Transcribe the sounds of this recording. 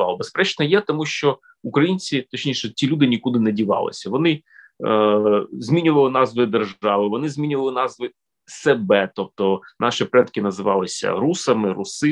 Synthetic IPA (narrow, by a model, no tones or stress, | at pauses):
ɑlˠɔbespɾɛt͡ʃnɐjɛt̪ɔmuʃt͡ʃɔ | ukɾɐjinʲt͡sʲit̪ɔt͡ʃnʲiʃɛtʲilʲud̪ɪnʲikud̪ɪnɛdʲiʋɑ̰lˠɪ̰sʲɐʋɔnɪ | zʲmʲinʲʊʋɐlˠɪnɑzʋɪd̪erʒɑʋɪʋɔnɪzʲmʲinʲʊʋɐlˠɪnɑzʋɪ | sebɛt̪ɔp̚t̪ɔnʔɑʃipɾɛt̪kɪnɐzɪʋɑ̰lˠɪsʲɐ̰ɾusɐmɪɾusɪ